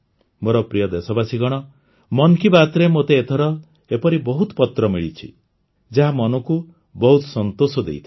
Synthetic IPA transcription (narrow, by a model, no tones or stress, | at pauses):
moɾɔpɾijɔd̪esɔbasiɡɔɽ̃ɔ | mɔnkibat̪ɾemot̪eːt̪ʰɔɾɔ | epɔɾibɔɦut̪pɔt̪ɾɔmiɭit͡ʃʰḭ | d͡ʒaɦamɔnɔku | bɔɦut̪sɔnt̪osɔd̪ḛjt̪ʰi